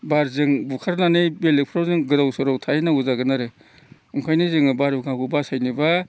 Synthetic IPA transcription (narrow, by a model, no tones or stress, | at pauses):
baɾzɯŋbukʰaɾnanɯjbelek̚pʰɾawzɯŋɡɯɾawsɯɾawtʰanauzaɡɯnaɾe | uŋkʰajnizɯŋbaɾbukʰakubasajniba